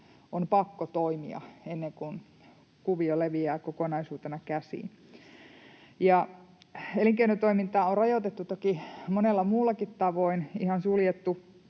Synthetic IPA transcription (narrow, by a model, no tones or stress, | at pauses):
ʔonpɑkːot̪oimḭɑ̰enːeŋkun | kuʋioleʋiæːkokonɑisuːt̪enɑkæsḭːn | jɑ | eliŋkeinot̪oimint̪ɑːorɑjot̪et̪ːut̪okimonelːɑmuːlːˑɑkit̪t̪ɑʋoinihɑnsuljet̪ːu